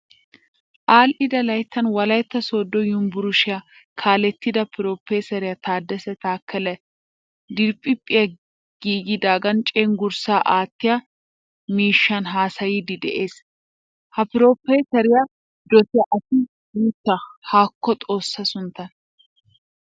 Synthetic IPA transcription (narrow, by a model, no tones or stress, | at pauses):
ʔaːlʔɪd̪ɐlɐjt̪ːɐnwɐlɐjt̪ːɐso̞ːd̪ːɔjʊmbʊɾʊʃɪjɐ | kʰaːlɛt̪ːɪd̪ɐpɪɾoːpːeːsɐɾɪjɐt̪ʰaːd̪ːɛsɛt̪aːkːɐlɛ | d̪ɪɾpʼɪpʼːɪjɐ | ɡ̥iːɡɪd̪aːɡɐnt͡ʃʼeːŋɡʊɾsaːʔaːt̪ːɪjɐ | miːʃːɐnɦaːsɐjiːd̪ɪd̪ɛ̰ʔe̞ːs | hɐpɪɾo̞ːpeːsɐɾɪjɐ | d̪ɔt̪ɪɐʔɐsɪ | ɡuːt̪ːɐhaːkːɔt̪ʼo̞ːsːɐsʊnt̪ːɐn